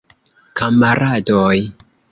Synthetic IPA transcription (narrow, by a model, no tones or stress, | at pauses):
kamaɾʔadoj